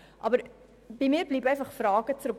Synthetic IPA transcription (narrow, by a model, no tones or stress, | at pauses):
ʔɑbəɾ | bimiːbliːpɛ̃jnfɐχfrɑːɡət͡sɾək